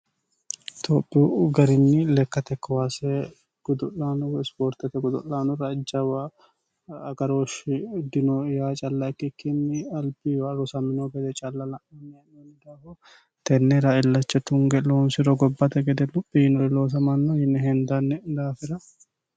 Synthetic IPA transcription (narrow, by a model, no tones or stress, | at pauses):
t̪ʰopʼːiɡɐɾɪnːɪlɛkːɐt̪ɛkːɐwaːsɛ | ɡ̥ʊd̪ɔlːaːnɔɪspoːɾt̪ɐt̪ɛɡʊd̪ɔlːaːnɔɾɐd͡ʒːɐwɐː | ɡɐɾoːʃɪd̪ɪnɔjaːt͡ʃʼɐlːɐkːɪkːɪnːɪɐlbiwɐɾɔsɐmɪnoɡɛd̪ɛt͡ʃʼɐlːɐlɐʔɐnːɛnɛnd̪aːhɔ | t̪ɛnːɛɾɐɪlːɐt͡ʃːɛt̪ʊŋɡɛloːnsɪɾɔɡɔbːɐt̪ɛɡɛd̪ɛlʊpʼːihɪnɔɾɪloːs̬ɐmɐnːɔhɪnːɛɦɛnd̪ɐnːɛd̪aːfɪɾɐ